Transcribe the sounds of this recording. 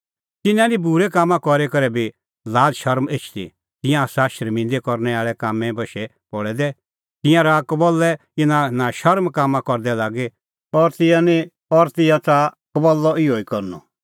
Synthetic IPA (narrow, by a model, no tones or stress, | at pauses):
t̪ɪnãnĩbuɾɛkaːmːãkɔɾekɐɾɛbi | laːdʃɐɾmeːt͡ʃʰt̪ḭ | t̪ɪ̃jãsaʃɐɾmĩːnd̪ekɔɾnɛaːɭɛkaːmɛ̃bɐʃɛ | pɔɭɛd̪ɛ | t̪ɪ̃jãɾakɔbɔlːɛ | inãnãʃɐɾmkaːmːãkɔɾd̪ɛlaːɡe | ɔɾt̪ɪ̃jãnĩ | ɔɾt̪ɪ̃jãt͡sakɔbɔlːɔɪoːikɔɾnɔ̰